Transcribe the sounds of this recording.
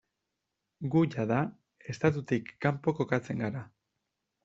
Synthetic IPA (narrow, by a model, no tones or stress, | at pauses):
ɡuʝaða | e̞st̪at̪ut̪ikːampo̞ko̞kat͡se̞ŋɡaɾa